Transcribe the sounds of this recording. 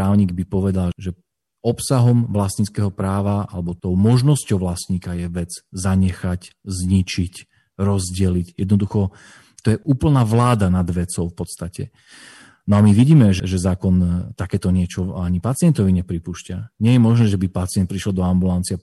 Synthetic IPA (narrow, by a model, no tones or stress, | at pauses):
pɾaːʊɲiːɡbipɔʋɛd̪alʒɛ | ɔpsaɦɔmʋlast̪ɲit͡skɛːɦɔpɾaːʋaa̰lɛbɔt̪ɔʊmɔʒnɔscɔʊʋlast̪ɲiːkajɛʋɛd͡zzaɲɛxaczɲit͡ʃic | ɾɔzɟɛlicjɛd̪nɔd̪uxɔ | t̪ɔjɛʔuːpl̩naːʋlaːd̪anad̪ʋɛt͡sɔʊfpɔt̪st̪acɛ̰ | nɔamiʋiɟiːmɛʒɛʒɛzaːkɔnt̪akɛːt̪ɔɲɪɛt͡ʃɔaɲipat͡sɪɛnt̪ɔʋiɲɛpɾipuːʃcaɲɪɛjɛmɔʒnɛːʒɛbipat͡siɪɛnt̪̚pɾiʃlɔld̪ɔambulant͡sia